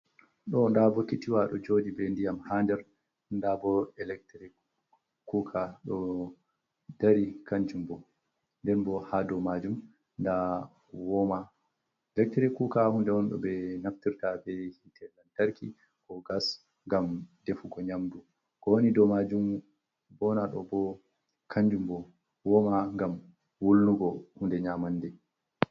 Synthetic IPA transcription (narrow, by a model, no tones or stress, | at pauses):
ɗɔndabɔkitiwaɗɔd͡ʒodibɛndijamhandɛɾ | ndabɔɛlɛk̚tɾɛ | kukʰaɗɔ | daɾikʰaɲd͡ʒumbɔ | ndɛnbɔhadɔmad͡ʒum | nda | wɔma | ɛlɛk̚tɾɛkukahundɛwɔnɗɔ̰bɛnaftiɾtabɛhitʰɛlːantaɾki | kɔɡas | ŋɡamdefuɡɔɲamdu | kɔwonidɔmad͡ʒum | bɔnaɗɔbɔ | kʰaɲd͡ʒumbɔ | wɔmaŋɡam | wulːuɡɔhundɛɲamandɛ